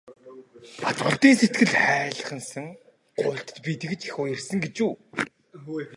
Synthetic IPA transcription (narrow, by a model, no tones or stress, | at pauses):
pat̪pə̆ɮt̪iːŋset̪̚ɡɘ̆ɮχæːɮ̆χə̆nsə̆ŋ | ɢ̥ʊːɬt̪ə̥̆t̪pit̪ɘ̆ɣɘ̆t͡ɕi̥xoːjersɘ̆ŋɡet͡ɕuː